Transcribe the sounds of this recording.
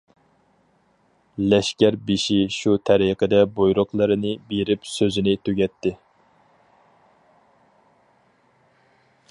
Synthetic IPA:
lɛʃkʲæɾbeʃiʃut̪ʰɛɾiqəd̪ɛbojɾʊqlˠɨɾɨnɨbeɾɪpsøzɪnɪt̪ʰøɡʲɛt̪ʰːɪ

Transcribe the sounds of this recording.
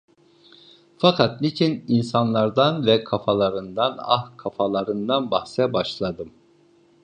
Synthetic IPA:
fakʰat̪̚nit͡ʃʰininsanlˠaɾd̪anvɛkʰafalˠaɾɯnd̪ana̰hkʰafalˠaɾɯnd̪anbahsɛbaʃlˠad̪ɯm

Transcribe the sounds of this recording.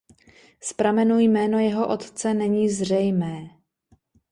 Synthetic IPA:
spɾamɛnuːjmɛːno̞jɛɦo̞ʔo̞t̪t͡sɛnɛɲiːzr̝ɛjmɛː

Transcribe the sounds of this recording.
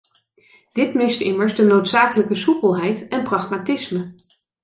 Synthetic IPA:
d̥ɪtmɪstɪməɹzdənowtsaːkələkəsupəlˠɦɛjtɛnprɑχmatɪsmə

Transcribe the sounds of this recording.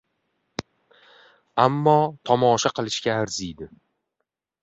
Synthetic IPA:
amːɒt̪ʰɒmɒʃaqʰɨlˠɪʃkʲaːɾzijd̪ɪ

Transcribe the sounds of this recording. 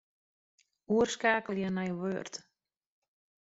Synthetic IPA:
uərskaːkəlˠjənɛjʋøərt

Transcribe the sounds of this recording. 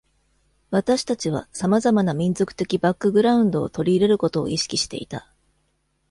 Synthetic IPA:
βat̪aɕi̥t̪at͡ɕiβa̰samazamanamʲĩnzo̞kɯ̟̥t̪e̞kʲibakːɯ̟ɡɯ̟ɾaɯ̟̃nd̪o̞̰ːt̪o̞ɾʲiːɾe̞ɾɯ̟ko̞t̪o̞̰ːiɕi̥kʲiɕi̥t̪e̞̰it̪a

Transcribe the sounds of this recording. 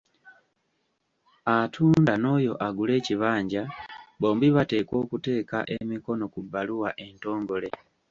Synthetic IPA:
atʰundanojoʔaɡuleciβaːɲɟaboːmbiβatekwokuteka̰ʔemikonokubaluwaʔentoːŋɡolɛ

